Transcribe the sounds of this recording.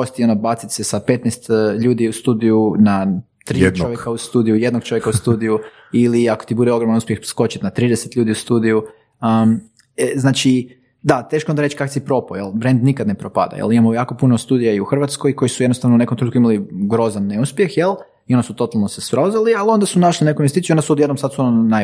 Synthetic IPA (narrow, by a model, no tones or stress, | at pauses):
ost̪ionabat̪sit̪ʲsesapet̪nɛst̪ʎuːd̪iust̪uːd̪ijuna | t̪ɾit͡ʃoʋjekaust̪uːd̪ijujed̪noɡ̥̚t͡ʃo̞ʋjekaust̪uːd̪iju | iliako̥t̪ibud̪eo̞ɡɾomanuspʲje̞xsko̞t͡ʃit̪nat̪ɾid̪eset̪ʎʲuːd̪iust̪uːd̪iju | əm | znaːt͡ʃi | d̪at̪eːʃkoond̪aɾet͡ʃkaksipɾo̞pojelˠbɾe̞nd̪nikad̪nepɾopa̰d̪a̰jḛlˠimamojaːko̞punost̪uːd̪ijaiuxr̩ʋat̪skojko̞jisujed̪nost̪aʋnoune̞komt̪ɾut̪kimaliɡɾo̞zanːeuspjexjel | io̞nd̪asut̪o̞t̪alˠnosespɾozalialio̞nd̪asunaʃlinekoumjest̪it̪juo̞nd̪asuod̪je̞d̪nomsat̪suonona